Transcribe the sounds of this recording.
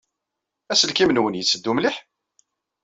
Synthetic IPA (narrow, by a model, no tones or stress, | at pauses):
æsəlkimənwənjət͡sːəd̪ːumliħ